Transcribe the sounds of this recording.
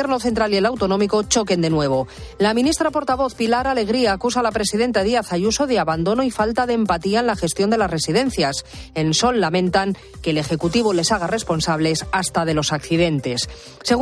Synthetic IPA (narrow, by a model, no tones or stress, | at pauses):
eɾno̞θe̞nt̪ɾalielawt̪o̞nõ̞miko̞t͡ʃo̞ke̞nd̪e̞nwe̞β̞o̞ | lamĩnist̪ɾapo̞ɾt̪aβo̞θpilaɾale̞ɣ̞ɾiaːkusalapɾe̞siðe̞nt̪aðiaθaʝuso̞ðeaβand̪o̞noifalt̪aðeːmpat̪iaenlaxe̞st̪jo̞nd̪e̞lasre̞siðe̞n̟θjas | e̞nso̞lːamẽnt̪aŋ | keːle̞xe̞kut̪iβole̞saɣ̞are̞spo̞nsaβle̞sast̪aðe̞lo̞sakθiðe̞nt̪e̞sː | e̞ɣ